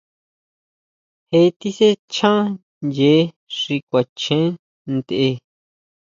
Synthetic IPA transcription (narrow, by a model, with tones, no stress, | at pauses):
he˧t̪i˦se˦t͡ʃʰã˦ | je˨˦ | ʂi˧kʷa˨t͡ʃẽ˦ | nd̪e˧ʔe˧